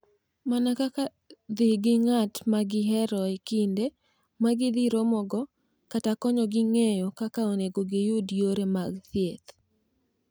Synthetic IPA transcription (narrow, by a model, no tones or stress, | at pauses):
manakaka | d̪ɪhɡɪŋatmaɡɪɦɛɾɔekinde | maɡɪd̪ɪɾomɔɡɔ | katakɔɲɔɡɪŋejɔkakaoneɡoɡɪjʊdjoɾemaɡθiet̪